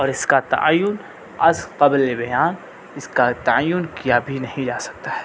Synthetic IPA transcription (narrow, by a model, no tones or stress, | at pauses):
ɔːɾɪskat̪ɐ̰ʔa̰jːʊn | ɐsqɐblebɐjaːn | ɪskat̪aajːʊnkijabʱinɐɦĩd͡ʒaːsɐ̥k̚t̪aɦɛ̥ː